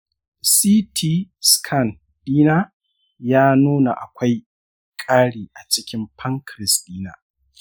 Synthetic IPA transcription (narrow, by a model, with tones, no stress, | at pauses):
siː˦tʰi˦skʰɐ˦˨n | d̥iː˦na˦ | jaː˦nuː˦na̰˨ʔa̰˨kʷa˦j | kʼaː˦ɽiː˨ʔa˨t͡ʃɪ˦kʲɪ˦mpʰɐ˦ŋkɾɪ˨stʼiː˦na̰˨